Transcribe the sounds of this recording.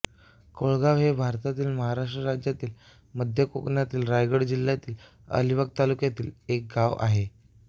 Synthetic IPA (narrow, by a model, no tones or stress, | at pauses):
koɭɡaʋɦebʱaɾt̪at̪iːlməɦaɾaʂʈɾəɾad͡ʑjat̪iːl | məd̪ʱjəkokɳjat̪iːlɾajɡəɽd͡ʑil̤ːjat̪iːl | ə̰liʋəɡ̚t̪alukjat̪iːlek̚ɡaʋa̰ɦe